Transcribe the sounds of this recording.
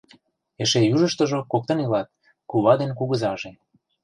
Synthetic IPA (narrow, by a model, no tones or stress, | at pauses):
eʃejuʒəʃt̪ə̆ʒokok̚t̪ɤ̆nilɑt̪̚ | kuβɑd̪enkuɣə̆zɑʒe